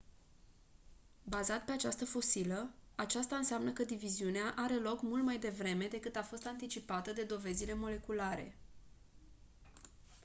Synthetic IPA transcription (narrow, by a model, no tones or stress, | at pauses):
bazat̪pe̞at͡ʃast̪əfo̞siləat͡ʃast̪aɨnseamnəkəd̪iviziuneaʔaɾe̞lo̞kmult̪majd̪e̞vɾe̞me̞d̪e̞kɨt̪afo̞st̪ant̪it͡ʃipat̪əd̪e̞d̪o̞ve̞zile̞mo̞le̞kulaɾe̞̰